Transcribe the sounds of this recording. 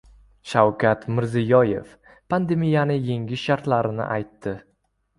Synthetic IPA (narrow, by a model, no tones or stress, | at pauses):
ʃawkʲʰat̪mɪɾzɪjɒje̞̰f | pʰand̪e̞mijanɪjeŋɡʲɪʃaɾt̪laɾɪnɪ̰ʔajt̪ːɪ